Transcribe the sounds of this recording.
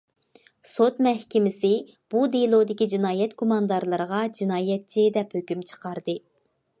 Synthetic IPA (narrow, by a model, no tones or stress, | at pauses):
sot̪mɛhkʲɪmɪsɪ | b̥ud̪elˠod̪ɪkʲid͡ʒinɑːjɛt̪kʰomɑnd̪ɑɾlˠɨɾʁɑd͡ʒinɑːjɛt̪̚t͡ʃʰid̪ɛphøkʲymt͡ʃʰə̥qʰɑɾd̪ɨ